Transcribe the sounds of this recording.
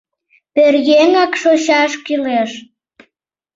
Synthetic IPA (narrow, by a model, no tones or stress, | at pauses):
perjeŋɑkʃoɕɑʃkyleʃ